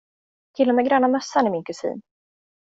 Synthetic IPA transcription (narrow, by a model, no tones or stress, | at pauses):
t̪ʰɪlːɔmɛːɡɾœnamœsːanɪmɪnkʰɵsḭːn